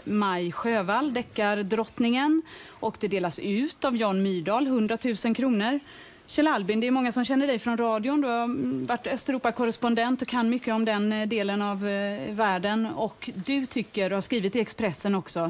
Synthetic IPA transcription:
majɧøːvalːd̪ɛkːaɾd̪ɾɔt̪nɪŋən | ʔɔkd̪ɛd̪eːlasʉ̟ːt̪avjɑːnmyːɖɑːlɦɵnd̪ɾat̪ʰʉ̟ːsənkʰɾuːnəɾ | ɕɛlalbɪnd̪ɛːɾmɔŋːasɔmɕɛnːəɖɛjfɾɔnɾɑːd̪ɪʊnd̪ɵhaɾvaʈːœst̪ɛɾuːpːakʰɔɾɛspɔnd̪ɛnt̪ɔkʰanːmʏkːəɔmd̪ɛnd̪eːlənavːæːɖənɔkd̪ɵt̪ʰʏkːəɖhaʂkɾiːvɪt̪ɪɛkspɾɛsːənɔksɔ

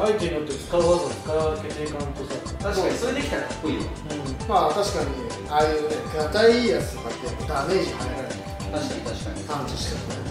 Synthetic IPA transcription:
ait̪eɲnot̪ːet͡sɨ̥kaɯazat͡sɨ̥kaɾke̞t̪eːkãnt̪osa | t̪aɕsoɾed̪ekʲi̥t̪aɾaki̥pːoiː | ɯ̃mat̪aɕi̥kaɲ̟i | ajɯːnekat̪aiiːjat͡sɨ̥t̪okat̪ːed̪ane̞ːʑihaneɾaenak̪aaaat̪ãnt͡ɕiɕi̥kasne

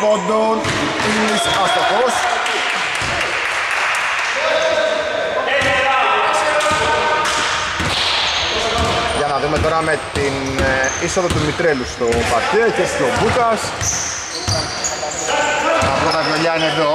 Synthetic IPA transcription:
ond̪on | it̪isɐst̪okos | ʝɐnɐðume̞t̪o̞ɾɐme̞t̪in | isoðot̪umit̪ɾe̞lust̪o̞pɐɾcecesobuk̪ɐs | ɐplot̪ɐvloʎɐineðo

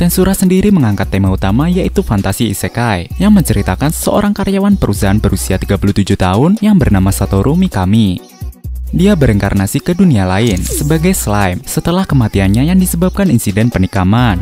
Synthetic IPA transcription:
t̪ɛnsuɾasəndiɾiməŋaŋkat̪ːemaut̪amajaʔit̪ufant̪asḭːsekajjaŋməɲt͡ʃəɾit̪akansəʔo̰ɾaŋkaɾjawanpəɾʔusaɦanbəɾʔusiat̪iɡapuluht̪ud͡ʒut̪aʊnjaŋbərnamasat̪ɔɾʔumikami | diabəɾɛŋka̰rnasikədunialaɪnsəbaɡajslajmsət̪əlahkəmat̪ianɲajaŋdisəbap̚kaninsidɛnpənikaman

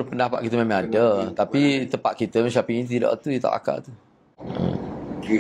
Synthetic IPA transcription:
ɾpəndapa̰ʔ̪̚kit̪əmẽmãŋadat̪apit̪əpa̰t̪̚kit̪əmət͡ʃapiŋint̪̬ida̰ʔt̪ujət̪a̰ʔa̰ka̰ʔt̪u | ə̰

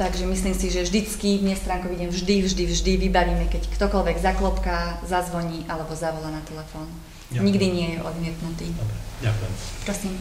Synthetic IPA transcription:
t̪aɡʒɛmisliːmsiʒɛvʒd̪it͡skivɲɛst̪ɾaːŋkɔʋiɟɛnvʒd̪ivʒd̪ivʒd̪iʋibaʋiːmɛkɛckt̪ɔkɔlʋɛɡzaklɔpkazazʋɔɲiːʔalɛbɔzaʋɔlanat̪ɛlɛfɔːn | ɲiɡd̪iɲɪɛjɛʔɔd̪mɪɛt̪nut̪iːakɛpɾɔsiːm

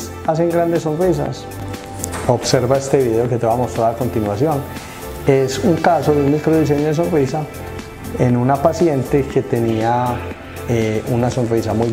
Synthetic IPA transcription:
ase̞ŋɡɾand̪es̬ːo̞nris̬a̰s | o̞bse̞ɾβaest̪e̞βiðe̞oke̞t̪eβamost̪ɾaɾako̞nt̪inwasjo̞n | e̞suŋkaso̞ðeunmikɾoð̞is̬e̞ɲoðes̬o̞nrisa | enunapasje̞nt̪eke̞t̪e̞nia | eunaso̞nrisamuj

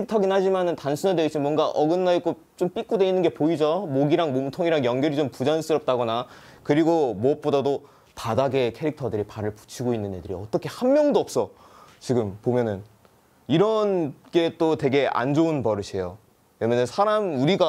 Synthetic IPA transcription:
kʰeik̚tʰʌɡinɦad͡ʑimanɯntansʰunadeit͡ɕʰimwʌnɡaʔʌɡɯnːaik͈o | t͡ɕomp͈ik͈ude̞inːɯnɡe̞poid͡ʑomoɡiɾaŋmomutʰoŋiɾaŋjʌŋɡjʌɾit͡ɕompud͡ʑans͈ɯɾʌp̚t͈aɡʌna | kɯɾiɡomoʌp̚p͈odado | padaɡe̞kʰe̞ɾik̚tʰʌdɯɾipaɾɯɭpu̥t͡ɕʰiɡoinːɯɲedɯɾḭʌt͈ʌkʰe̞hamːjʌŋdoʌp̚s͈ʌ | t͡ɕiɡɯmpomjʌnɯn | iɾʌnɡe̞t͈otwe̞ɡe̞ʔa̰nd͡ʑounpʌɾɯɕʰe̞jo | jemenɯnsʰaɾamuɾiɡa

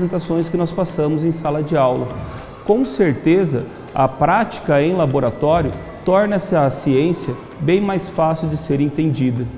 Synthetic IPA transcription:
zẽnt̪asõj̃skɪnɔspasɐ̃mʊzẽj̃salɐd͡ʒɪawlɐ | kõw̃seɾt̪ezɐ | ɐ̰pɾat͡ʃi̥kɐẽj̃laboɾat̪ɔɾjʊ | t̪ɔɾnɐsɪɐsiẽsiɐ | bẽj̃majsfasiwd͡ʒɪseɾẽnt̪ẽd͡ʒid̪ɐ

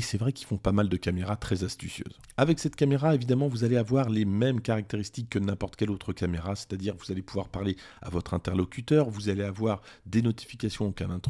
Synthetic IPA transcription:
esɛvʁɛkʲilfɔ̃pamald̪əkʲameʁat̪χɛzast̪ysjø̰ːz | avɛksɛt̪kameʁaevid̪amɑ̃vuzaleavwaʁlemɛmkaʁak̚t̪eʁist̪ikːənɛ̃pɔʁt̪kʲɛlot̪χəkameʁase̥t̪ad̪iʁvuzalepuvwaʁpaʁlea̰vɔt̪χɛ̃t̪ɛʁlɔkʲyt̪œːʁvuzaleavwaʁd̪enɔt̪i̥fikasjɔ̃ukɛ̃nɛ̃t̪

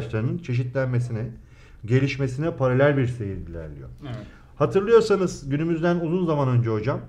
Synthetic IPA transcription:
t͡ʃlˠaɾɯnɯnt͡ʃʰe̞ʃ̬it̪lʲænme̞s̬inɛ | ɟe̞lʲiʃme̞s̬inɛpʰaɾalʲælʲbiɾsejind̪ilʲæ̰ɾlʲḭjo̰ | hat̪ʰɯɾlˠɯjo̞ɾsanɯzɟynymyzd̪ænuzunzamanø̞nd͡ʒɛɦod͡ʒam

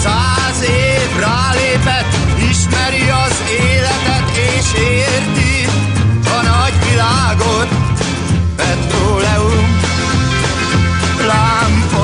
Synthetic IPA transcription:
saː | zeː | vraːleːpɛt̪ːiʃmɛɾiɒz | eːlɛt̪ɛt̪eːʃeː | rt̪i | ɒnɒɟʋilaːɡot̪ | pɛt̪roːlɛum | laːmpo

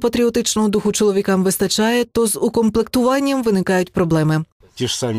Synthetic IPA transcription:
pɐt̪ʲɾʲiɔt̪ɪt͡ʃnɔɦɔd̪uxʊt͡ʃɔlˠɔʋʲikɑmʋɪst̪ɐt͡ʃɑjɛt̪ɔzʊkɔmplˠɪk̚t̪ʊʋɑnʲːɐmʋɪnɪkɑjʊtʲpɾɔblˠɛmɪ | tʲiʂsɑmʲ

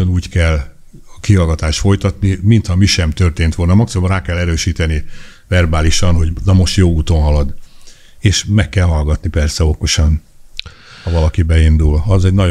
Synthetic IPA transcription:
onuːckɛlː | ɒkiɦɒlɡɒt̪aːʃt̪fo̞jt̪ɒt̪nimint̪hɒmiʃɛmt̪ørt̪eːnt̪ʋo̞lnɒmɒksiboraːkɛlːɛɾøːʃiːt̪ɛnivɛrbaːliʃɒnɦo̞ɟnɒmo̞ʃt̪joːuːt̪o̞nɦɒlɒd̪ | eːʃmɛkːɛlɦɒlɡɒt̪nipɛrsɛo̞ko̞ʃɒn | hɒvɒlɒkibɛind̪ulɒzɛɟnɒ

